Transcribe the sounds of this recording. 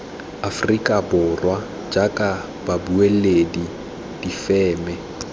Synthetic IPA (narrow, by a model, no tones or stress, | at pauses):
afrikʼabʊrwa | d͡ʒakʼa | b̥abueledi | d̥ifɛːmɛ